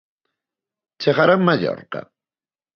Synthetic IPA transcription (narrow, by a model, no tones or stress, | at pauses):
t͡ʃeχaɾamaʎo̰ɾqɑ̰